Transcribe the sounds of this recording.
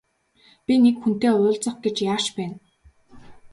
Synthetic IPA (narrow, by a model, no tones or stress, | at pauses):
pʲinekxun̥t̪eːʊːɮt͡sə̆χɡet͡ɕjaːʃpæːn